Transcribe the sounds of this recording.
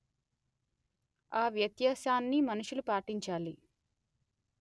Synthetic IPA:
aːʋjɐt̪jaːsaːnːimɐnuʂulupaːʈiɲt͡ʃaːli

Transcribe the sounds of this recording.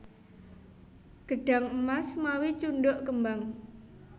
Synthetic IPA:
ɡ̥ə̤ɖ̥a̤ŋəmasmawit͡ʃunɖʊʔkəmbaŋ

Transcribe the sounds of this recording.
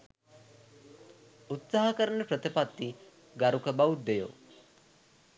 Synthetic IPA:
ut̪saɦɐkəɾənəpɾət̪ipat̪ːi | ɡaɾukəbaud̪ːejo̰

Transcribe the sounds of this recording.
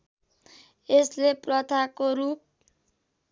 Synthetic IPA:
esleprʌt̪ʰakoɾup̚

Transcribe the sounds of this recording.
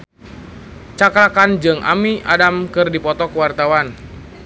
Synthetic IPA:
t͡ʃakɾakand͡ʒɨŋʔa̰mia̰damkɨrdipɔt̪ɔkəwart̪awan

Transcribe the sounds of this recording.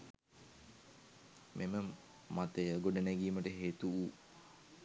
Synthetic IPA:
mʔemə | mat̪əjəɡoɖənɛɡiːməʈəɦeːt̪uu

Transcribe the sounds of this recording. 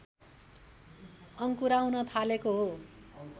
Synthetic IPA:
ʌŋkuɾaw̃nʌt̪ʰalekoɦo

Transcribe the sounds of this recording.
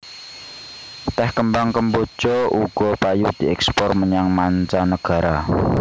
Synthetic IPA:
t̪ɛhkəmbaŋkəmbo̥t͡ʃɔʔuɡ̥ɔpajud̪̥i̤ɛkspɔrməɲaŋmant͡ʃanəɡ̥a̤ɾa

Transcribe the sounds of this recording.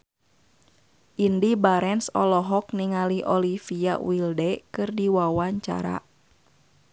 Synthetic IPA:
ʔindibaɾɛnsɔ̰lɔɦɔk̚niŋaliʔɔlifia̰wildɛkɨrdiwawaɲt͡ʃa̰ɾa̰

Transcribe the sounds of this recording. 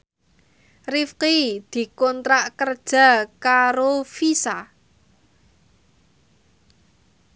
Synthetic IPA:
rifqid̪̥i̤kɔnt̪ɾaʔkərd̥ʒ̥a̤kaɾofisa

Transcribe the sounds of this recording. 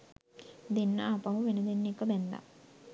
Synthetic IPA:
d̪enːəapaɦuʋenəd̪enːekəbɛnd̪a̰

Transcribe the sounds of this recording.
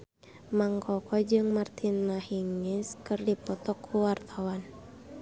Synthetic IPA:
maŋkʰɔkʰɔd͡ʒɨŋmart̪ʰinmahiŋɛskɨrdipɔt̪ɔkʰːuwart̪ʰawan

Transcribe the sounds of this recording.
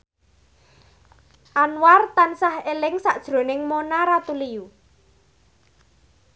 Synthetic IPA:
ʔanwart̪ansahelɪŋsaʔd̥ʒ̥ɾo̤nɪŋmonaɾat̪uliju

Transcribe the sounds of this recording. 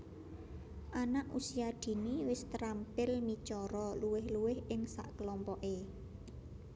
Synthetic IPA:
ʔanaʔusijad̪̥i̤niwɪst̪əɾampɪlmit͡ʃɔɾɔluwɪhluwɪhɪŋsa̰ʔkəlɔmpɔʔe

